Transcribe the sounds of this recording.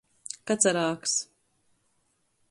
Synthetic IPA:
kat̪saɾaːks

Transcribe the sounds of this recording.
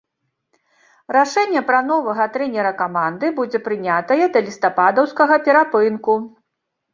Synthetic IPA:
raʂɛnʲːɛpɾɐn̪ɔvɐɣɐt̪ɾɛnʲɛɾɐkamand̪ɨbud͡zʲɛpɾɨnʲat̪ɐjɛd̪ɐlʲist̪apad̪ɐwskɐɣɐpʲɛɾapɨnku

